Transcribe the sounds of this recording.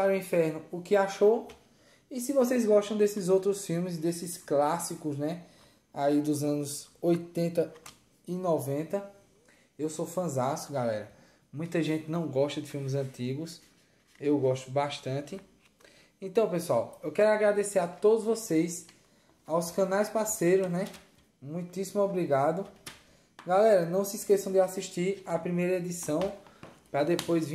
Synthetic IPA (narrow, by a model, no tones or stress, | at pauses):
aɾʊĩfɛɾnʊʊkɪaʃo | isɪvosejzɡɔʃt̪ɐ̃w̃d̪esɪzowt̪ɾʊsfiwmɪz̬d̪esɪsklasikʊznɛ | aid̪ʊzɐ̃nʊzojt̪ẽnt̪ɐ | inɔvẽnt̪ɐ | ewsofɐ̃zaskʊɡalɛ̰ɾɐ | mũj̃t̪ɐʒẽt̪ɪnɐ̃w̃ɡɔʃt̪ɐd̪ɪfiwmɪzɐ̃t̪iɡʊs | ewɡɔʃt̪ʊbaʃt̪ɐ̃t̪ɪ | ẽt̪ɐ̃w̃pesuawewkɛɾʊaɡɾad̪eseɾat̪od̪ʊzvosejs | awskɐ̃najspasejɾʊznɛ | mũj̃t̪isimʊɔbɾiɡad̪ʊ | ɡalɛɾɐnɐ̃w̃sɪskesɐ̃w̃d̪ɪasiʃt̪iɾapɾimejɾɐed̪isɐ̃w̃pɾɐd̪epojzvĩ